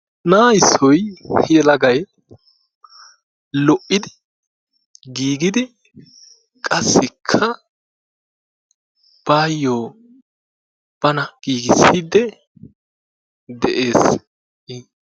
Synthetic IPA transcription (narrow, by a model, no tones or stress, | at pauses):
naːjɪsːɔjhɪɛlɐɡɐj | lɔʔɪd̪ɪ | ɡiːɡɪd̪ɪ | kʼɐsːɪkʰːɐ | b̥aːjːoː | b̥ɐnɐɡ̥iːɡɪsːid̪ɛ | d̪ɛʔeːs